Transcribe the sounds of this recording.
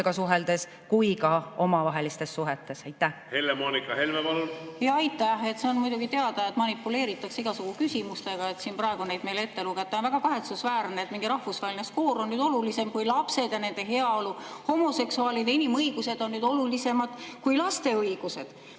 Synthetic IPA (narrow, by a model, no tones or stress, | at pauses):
ɡ̥ɑsuɦeld̪̥e̞s | kujkɑo̞mɑvɑɦelist̪e̞sːuɦet̪ːˑe̞sɑjt̪ːˑæhhe̞lːemoːnikːɑhe̞lmevɑljɑɑjt̪ːˑæhe̞t̪seonmujd̪uɡit̪e̞ɑd̪ɑet̪ːˑmɑnipːule̞ːɾit̪ːˑɑksiɡ̥ɑsuɡ̥ukysʲimust̪eɡ̥ɑe̞t̪siːnprɑe̞ɡ̥une̞jd̪̥me̞jle̞t̪ːe̞luɡet̪ːˑɑonvæɡ̥ɑkɑɦe̞t̪susvæːɾneet̪miŋɡiɾɑhfusvɑhelineskoːɾo̞nnyːd̪o̞lulise̞mkujlɑpse̞d̪̥jɑne̞nd̪̥e̞ɦe̞ɑoluho̞mo̞se̞ksuɑːlid̪einimɤjɡ̥use̞d̪o̞nːyːd̪o̞lulise̞mɑd̪̥kujlɑst̪e̞ɤiɡ̥use̞d̪̥